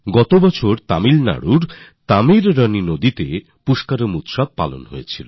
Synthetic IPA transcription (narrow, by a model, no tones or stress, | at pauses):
ɡɔt̪obɔt͡ɕʰoɾt̪a̰milna̰ɽuɾt̪amiɾːəninod̪it̪e | puʃkaɾomut̪ʃab̚pa̰lo̰nɦojet͡ɕʰilo